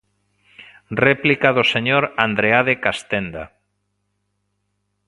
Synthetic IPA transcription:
rɛplikaðoseɲoɾand̪ɾeaðekast̪end̪a̰

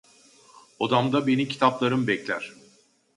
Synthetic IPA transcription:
od̪amd̪abe̞nicʰi̥t̪ʰaplˠaɾɯmbɛclʲæɾ̥

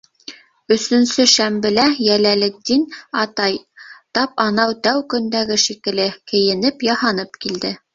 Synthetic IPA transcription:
ɵ̆sɵ̆nsɵʃæmbɘ̆læjælælɘd̪inɑt̪ɑjt̪ɑpɑnɑwt̪æwkɵ̆nd̪æɡɘʃikɘ̆lɘkɘ̆jɘ̆nɘpjɑhɑnɤpkild̪ɘ

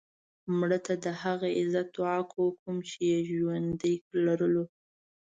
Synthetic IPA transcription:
mɽət̪ad̪əhaɣaɪzat̪oakokumt͡ʃejaʒwand̪əjlaɾəlo

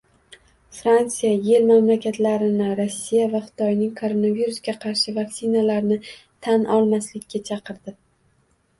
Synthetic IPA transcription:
fɾant̪sijaje̞lmamlakʲat̪laɾɪnɪɾosːijavaχɨ̥t̪ʰɒjnɪŋkʰo̞ɾo̞naviɾusɡʲaqʰɑɾʃɪvaksɪnalaɾnɪt̪ʰanʔɒlˠmaslɪkʲːat͡ʃʰɑqʰɨɾd̪ɪ

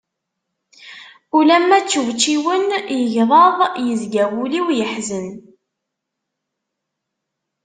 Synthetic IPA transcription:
ulæmːæt͡sːuvt͡ʃːiwənjəʝðˤɑðˤjəzɡæwuliwjəħzən

